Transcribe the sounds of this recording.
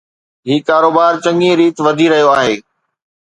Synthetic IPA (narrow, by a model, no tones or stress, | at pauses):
ɦiːkaːɾoːbaːɾt͡ɕɐ̃ŋĩɾiːt̪ʋɐd̪ʱiɾɐɦijoaːɦeː